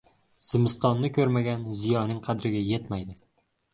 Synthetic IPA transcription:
z̥ɪmɪst̪ɒnːɪkʰʲɵɾmaɡʲanzijɒnɪŋqʰɑd̪ɾɪɡʲajet̪majd̪ɪ

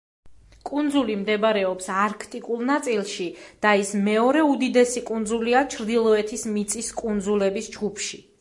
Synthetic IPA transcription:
kʼund̪zulimd̪ɛbaɾɛɔpsaɾkʰt̪ʼikʼulˠnat̪sʼilˠʃid̪̥aismɛɔɾɛud̪id̪ɛsikʼund̪zuliat͡ʃʰɾd̪ilˠɔɛt̪ʰismit̪sʼiskʼund̪zulɛbisd͡ʒɡupʰʃi

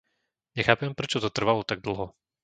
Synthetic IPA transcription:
nɛxapɛmpɾɛt͡ʃɔt̪ot̪r̩valˠɔt̪aɡ̚d̪l̩ˠɦɔ

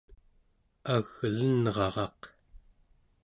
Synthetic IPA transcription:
aɣlənʁɑʁɑq

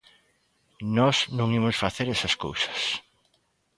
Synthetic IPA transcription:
nɔsnõŋimʊsfaθeɾɛsɐsko̰wsɐ̥s

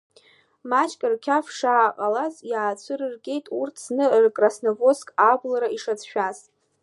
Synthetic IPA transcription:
mat͡ʃʰʼkʼɨrkʲʰafʂaːqʼalazjaːt͡sʷʰɨrɨrkʲʼe̞jtʼurt͡sʰnɨrkʼrasnovo̞skʼablaɾaiʂat͡sʰʃᶣaztʼ

